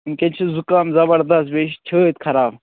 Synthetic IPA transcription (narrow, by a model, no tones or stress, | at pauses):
nkʲent͡ʃʰizukaːmzɐbɐɾd̪ɐst̪̚beʃt͡ʃʰəːt̪kʰɐɾaːb